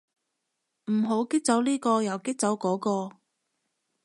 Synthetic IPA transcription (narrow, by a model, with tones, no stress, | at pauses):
m̩˨˩ɦo˨˥wkɪ˥k̚t͡sɐ˨˥wliː˥kɔː˧jɐ˨˩wkɪ˥k̚t͡sɐ˨˥wkɔː˨˥kɔː˧